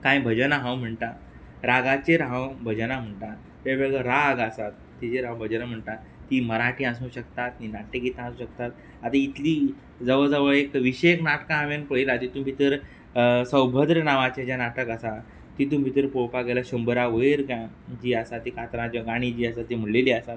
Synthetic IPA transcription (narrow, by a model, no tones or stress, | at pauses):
kãjbʱəd͡ʑənaɦãwm̤əɳʈa | ɾaɡat͡ɕeɾɦãwbʱəd͡ʑənam̤əɳʈ̪a | t̪ebəɡəɾaɡasat̪ːit͡ɕeɾãwbʱəd͡ʑənam̤əɳʈ̪a | t̪iːməɾaʈʰiːãsũːɕəkt̪at̪ninaʈekit̪ãːsũːɕək̚t̪at̪ | at̪ait̪liː | d͡zəʋəd͡zəʋəɭekʋiɕeknaʈkãɦamjanpəilat̪it̪ũbʱit̪əɾ | sə̃wbʱəd̪ɾənaʋat͡ɕad͡ʑjanaʈəkəsa | t̪it̪ũbʱit̪əɾpopaɡelaɕəmbəɾaʋəjɾɡ | d͡ʑiːasat̪ːiːkat̪ɾãd͡ʑaɡaɽ̃id͡ʑiːasat̪ːim̤əleliːasat̪